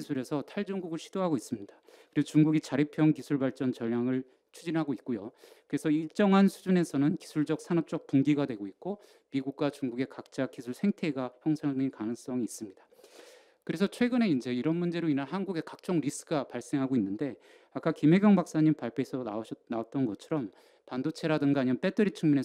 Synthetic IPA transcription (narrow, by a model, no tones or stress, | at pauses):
sʰuɾe̞sʰʌtʰaɭd͡ʑʌŋɡuɡɯɭɕʰid̥oɦaɡois͈ɯmɲid̥ḁ | kɯɾiɡot͡ɕuŋɡuɡit͡ɕaɾipʰjʌŋk̬isʰuɭbaɭt͡ɕ͈ʌnt͡ɕʌʎːjaŋɯɭ | t͡ɕʰud͡ʑinɦaɡoit̚k͈ojokɯɾe̞sʰʌiɭt͡ɕ͈ʌŋɦansʰud͡ʑune̞sʰʌnɯnki̥sʰuɭd͡ʑʌk̚sʰanʌp̚t͡ɕ͈ʌk̚tuŋɡiɡadwe̞ɡoit̚k͈o | miɡuk̚k͈wat͡ɕuŋɡuɡe̞kak̚t͡ɕ͈ak͈isʰuɭsʰe̞ŋtʰe̞ɡaçjʌŋsʰaŋŋikanɯŋs͈ʌŋiːs͈ɯmɲida | kɯɾe̞s̬ʰʌt͡ɕʰwe̞ɡɯne̞ind͡ʑe̞iɾʌnmund͡ʑe̞ɾoinaɭɦanɡuɡe̞kak̚t͡ɕ͈ʌŋɾis͈ɯɡapaɭs͈e̞ŋɦaɡoinːɯnde̞ | ak͈akime̞ɡjʌŋbak̚s͈aɲimpaɭpʰeːsʰʌnaoɕʰʌnaot̚t͈ʌnɡʌt͡ɕʰʌɾʌm | pandot͡ɕʰe̞ɾadɯnɡaːɲimap͈e̞t͈ɯɾit͡ɕʰuŋmune̞